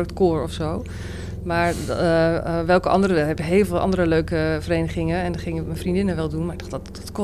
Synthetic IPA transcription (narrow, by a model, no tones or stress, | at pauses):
ktkoːɹɔfsow | maːɹ | ʋɛlˠkəʔɑ̰ndərəɛbəɦeːlˠvɪːlˠʔɑ̰ndəɾəløɥkəvəɾejnəχɪŋəɛndɑχɪŋɪmɛnfrindɪnənʋɛlˠdunmaɾɪɡ̚dɑtdɑtkɔ